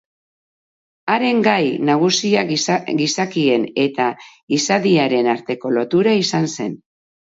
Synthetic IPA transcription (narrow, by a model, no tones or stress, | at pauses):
aɾe̞ŋɡajnaɣ̞usiaɡisakie̞ne̞t̪a | isaðiaɾe̞naɾt̪e̞ko̞lo̞t̪uɾaisanse̞n